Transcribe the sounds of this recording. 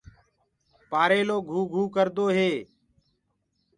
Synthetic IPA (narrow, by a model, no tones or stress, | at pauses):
paːɾeːloːɡʱuːɡʱuːkəɾd̪oːɦeː